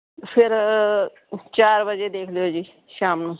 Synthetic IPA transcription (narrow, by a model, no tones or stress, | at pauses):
pʰɪɾ | t͡ʃaːɾbəd͡ʒed̪eːkʰlejod͡ʒiː | ʃaːmnũː